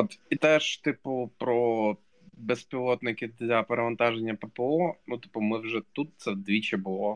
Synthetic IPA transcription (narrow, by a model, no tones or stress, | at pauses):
ot̪it̪ɛʂt̪ipʊpɾo | bɛspʲɪlˠot̪nɪkʲɪd̪lʲɐpɐɾɐmɐnt̪ɑʒɛnʲːɐpɛpɛonut̪ɨ̥pʊmɪwʐɛt̪ut̪̚sɛd̪ʋʲit͡ɕɛbʊlˠo